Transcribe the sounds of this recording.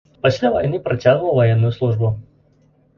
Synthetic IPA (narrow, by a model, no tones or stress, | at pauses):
pasʲlʲavɐ̰jnɨpɾat͡sʲaɣnulwˠvɐjɛnːʊjʊslˠuʐbʊ